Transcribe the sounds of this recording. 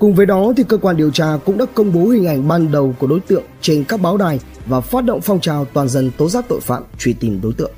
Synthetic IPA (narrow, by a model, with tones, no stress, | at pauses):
kʊ˨˩ŋ͡mvəː˨˦jɗɔ˨˦t̪ʰi˨˩kəː˧kwaː˧nɗi˨˩əwt͡ɕaː˧kʊ̰˧˥ŋ͡mɗa̰ː˧˥kə˧wŋ͡mɓo˨˦hï˨˩ŋ̟ʔa˧˩jŋ̟ɓaː˧nɗə˨˩wku˧˩əɗo˨˦jt̪ɨ̰˧˨əŋt͡ɕe˧nkaː˦˥k̚ɓaː˨˦wɗaː˨˩j | vaː˨˩faː˦˥t̚ɗo̰˧˨wŋ͡mfɔ˧wŋ͡mt͡ɕaː˨˩wt̪waː˨˩nzə˧nt̪o˨˦zaː˦˥k̚t̪o̰˧˨jfa̰ː˧˥p̚t͡ɕwi˧˩t̪i˨˩mɗo˨˦jt̪ɨ̰˧˨əŋ